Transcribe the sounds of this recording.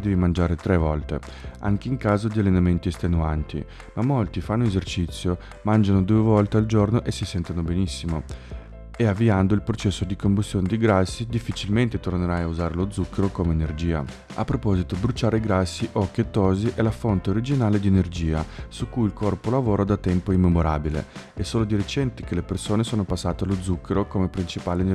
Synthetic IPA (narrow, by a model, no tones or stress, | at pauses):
d̪ɛːvimand͡ʒaːɾet̪ɾɛvɔlt̪ḛ | a̰ŋk̟eiŋkaːzod̪ialenament̪iest̪enuant̪ḭ | mamːolt̪ifanːoezert͡ʃit̪sːjo | mand͡ʒanod̪uːevɔlt̪eald͡ʒornoʔesːisɛnt̪anobenisːimo | eavːiand̪oilpɾot͡ʃɛsːod̪ikombust̪joːned̪iɡɾasːid̪ifːit͡ʃilment̪et̪orneɾajauzaːɾelod̪zːukʰːeɾokomeːnerd͡ʒiːa̰ | a̰pːɾopɔzit̪obɾut͡ʃaːɾeɡɾasːiʔɔk̟ːiet̪ːɔːziʔɛlafont̪eoɾid͡ʒinaːled̪ienerd͡ʒiːasukːujilkʰɔrpolavoːɾad̪at̪ːɛmpoimːemoɾa̰ːbilḛ | ɛsːoːlod̪iɾet͡ʃɛnt̪i̥k̟elepersoːnesoːnopasːaːt̪ealod̪zːukʰːeɾokomepɾint͡ʃipaːlen